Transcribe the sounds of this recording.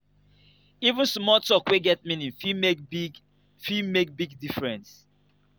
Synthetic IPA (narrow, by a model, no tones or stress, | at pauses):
ivũnsmɔtɔkweɡɛt̚mĩnĩfimekb | fimek̚biɡ̚difɹɛ̃ns